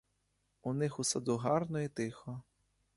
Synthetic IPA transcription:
unɪxusɐd̪uɦɑrnɔit̪ɪxɔ

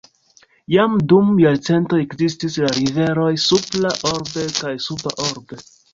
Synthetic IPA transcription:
jamdumjaɾt͡se̞nto̞ekzis̬tislaɾive̞ɾo̞jsuplaʔo̞ɾbe̞kajsupaʔoɾbe̞

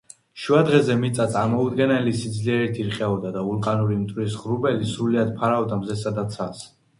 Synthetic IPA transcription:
ʃuad̪ʁɛzɛmit̪sʼat̪sʼaɾmɔud̪ɡɛnɛlisid̪zliɛɾit̪ʰiɾqʼɛɔd̪ad̪aulˠqʼanuɾimt̪ʼwɾisʁɾubɛlisɾuliad̪̚pʰaɾaɔvd̪amzɛsad̪at̪sʰas

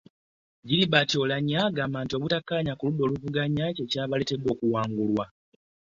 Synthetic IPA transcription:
ɟiɾiβato̞laɲaɡaːmaːnto̞ːβutakːaɲakuludːo̞ːluvuɡaɲace̞caːβale̞ːte̞dwo̞ːkuwaːŋɡulwa

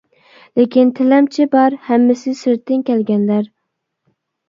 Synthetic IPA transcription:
lekʲint̪ʰɪlɛmt͡ʃʰɪbɑɾhæmːɪsɪsɪɾt̪ʰːɪnkʲʰɛlɡʲɛnlæɾ

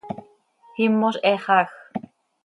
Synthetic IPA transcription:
himːoseχax

